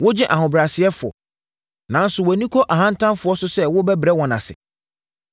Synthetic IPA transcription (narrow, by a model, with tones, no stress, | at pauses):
wʊ˦d͡ʑɪ̃˦ʔa˨ɦʊ̃˨bɾa˨sɪ˨ɛ˦fʊ˨ɔ̰˨ | nã˨n̩˦sʊ˨wɔ˨nĩ˦kʰɔ˦ʔa˨ɦã˦n̩˦tʰã˦mfʊ˨ɔ˦sʊ˦sɛ˦wʊ˦bɛ˦bɾɛ˦wɔ̃˨nã̰˨sɪ̰˨